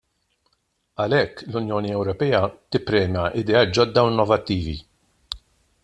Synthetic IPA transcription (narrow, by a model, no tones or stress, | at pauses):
ɐlɛkːlʊnjɔːniɛwɾɔpɛːɐt̪ɪpːɾɛːmjɐʔɪd̪ɛɐːt̪̚d͡ʒɔd̪ːɐwɪnːɔvɐt̪ːiːvḭ